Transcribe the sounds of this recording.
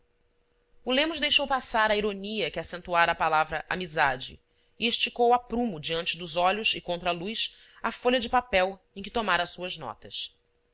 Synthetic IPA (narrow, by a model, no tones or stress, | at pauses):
ʊlẽmʊzd̪ejʃowpasaɾɐiɾoniɐkɪasẽnt̪uaɾɐaːpalavɾɐʔa̰mizad͡ʒɪ̰ː | eʃt͡ʃikowapɾũmʊd͡ʒiɐ̃nt͡ʃɪd̪ʊzɔʎʊsɪkõnt̪ɾɐalujs | afoʎɐd͡ʒɪpapɛwẽkɪt̪omaɾɐsuɐznɔ̰t̪ɐs